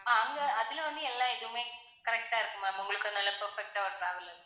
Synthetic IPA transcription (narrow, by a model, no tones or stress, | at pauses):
aːŋɡɐɐðilʋɐnːɨelːaːeðumeː | kɐɾɐk̚ʈaːjiɾunːumːaːmuŋɡɐɭkːonːɐːlːɐpɐrfek̚ʈaːʋuɽɽaːʋɐlːɐð